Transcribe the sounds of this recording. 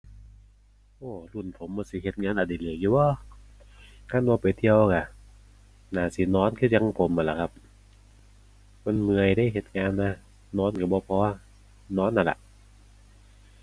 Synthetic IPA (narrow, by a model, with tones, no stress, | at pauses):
ʔoː˧˩lu˧˩˨npʰo˨˦mbɔː˧˦si˧˦ɦe˧˦t̪̚ŋaː˧˨nʔa˧˩da˧˩jlɯ˧˩əkjuː˧bɔː˧˦˨ | kʰa˧˥˨nwbɔː˧pa˨jt̪ʰi˧əwka˧˩ | naː˧˩si˨˧˦nɔː˧˥˨nkʰɯ˧˩˨ja˧ŋpʰo˨˦mʔa˧˨la˨˧˩kʰa˧p̚ | ma˧˨nmɯ˧əjdaː˧˥˨jɦe˧˩t̪̚ŋaː˧nːa˧ | nɔː˧˥˨nka˧bɔː˧˦pʰɔː˧ | nɔː˧˥nːa˧˨la̰˧˨ʔ